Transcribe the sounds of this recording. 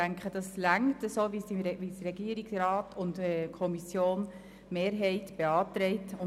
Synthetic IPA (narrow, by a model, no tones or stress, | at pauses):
æŋkχəd̥ɑslæŋtəsoːʋisiʋisɾɛɡiəɾiksrɑːtʊntɛkʰɔmisjoːn | meːɾɦɛɪtb̥eɑːtɾɛɪtʊ